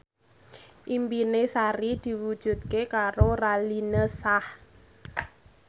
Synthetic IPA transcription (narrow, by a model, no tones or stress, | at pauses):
ʔimpinesaɾid̪̥i̤wud̥ʒ̥ṳt̪̚kekaɾoralinəsah